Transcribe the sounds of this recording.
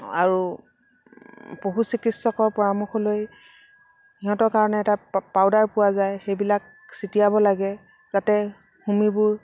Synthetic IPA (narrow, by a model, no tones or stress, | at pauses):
a̰ɹu | poɦusikitsɔkɔɹpɔɹamuxɔloj | iɦɔ̃tɔɹkaɹɔnɛːtapaʊdaɹpʊwazajxejbilak̚ | sitijabɔlaɡɛ | z̥atɛ | humibʊɹ